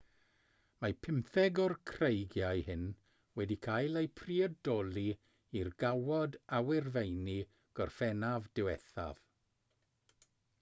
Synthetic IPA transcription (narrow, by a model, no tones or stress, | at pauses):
mapʰɪmθɛɡɔrkʰrejɡjajhɪn | wɛdikʰajlˠejpʰriɛdɔlˠi | irɡawɔdawɪrvejni | ɡ̥ɔrfɛnavdɪwɛθa̰v̥